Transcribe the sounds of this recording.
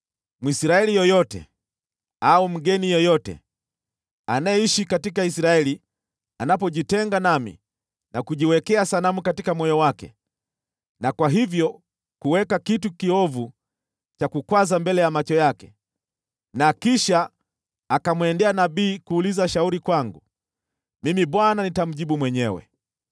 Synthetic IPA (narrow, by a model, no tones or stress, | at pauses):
mwisɾaɛlijɔjɔtɛ̰ | aum̩ɡɛnijɔjɔtɛ̰ | anajɛiʃikatikaisɾaɛli | anap̬ɔʄitɛŋɡanamḭ | nakuʄiwɛkɛasalamukatikamɔjɔwakɛ̰ | nakwaɦivjɔ | kuwɛkakitukiɔvu | t͡ʃakukwazambɛlɛjamat͡ʃɔjakɛ̥ | nakiʃaː | kamwɛndɛanaɓiːkuːlizaʃauɾikwaŋɡu | mimiɓwananitam̩ʄiɓumwɛɲɛwɛ̰